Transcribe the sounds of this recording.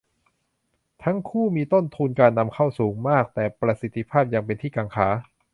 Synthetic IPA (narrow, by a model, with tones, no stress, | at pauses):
t̪ʰa˦˥ŋkʰuː˥˩miː˧t̪o˥˩nt̪ʰuː˧nkaː˧nːa˧mkʰa˥˩wsuː˩˦ŋmaː˥˩k̚t̪ɛː˨˩pɾa˧si˨˦t̪ʰːi˧˩pʰaː˥˩p̚ja˧ŋpe˧nt̪ʰiː˥˩kaː˧ŋkʰaː˩˦